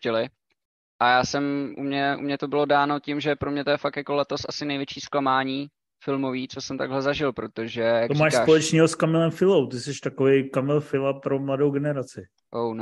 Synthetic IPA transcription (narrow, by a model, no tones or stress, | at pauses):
t͡ʃɛlɪ | ʔajaːsɛmʔṵmɲɛʔṵmɲɛt̪o̞bɪlo̞daːno̞cɪmʒɛpɾomɲɛt̪ojɛfak̚t̪jako̞lɛt̪o̞sʔasɪnɛjvjɛt͡ʃiːsklamaːɲiː | fɪlmo̞viːt͡sosɛmt̪aɡlɛzaʒɪlpɾo̞t̪o̞ʒɛjat̪o̥maːʃsaːpolɛt͡ʃniːɦoskamɛlɛmfɪlowt̪ɪsɛʃt̪akovejkamɛlfɪlapɾomladowɡɛnɛɾat͡sɪ | ʔown